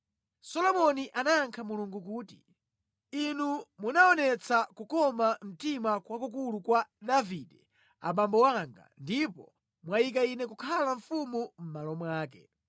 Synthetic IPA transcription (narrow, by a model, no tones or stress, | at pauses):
sɔlɔmɔniʔanaːŋkʰamuluŋɡukuːti | inumunaɔnɛt͡sʰakukɔmam̩timakwakukulukwaɗavidɛ | a̰ɓambɔwaŋɡa̰ndipɔ | mwajik̬ainɛkukʰalaɱfumum̩malɔmwaːkɛ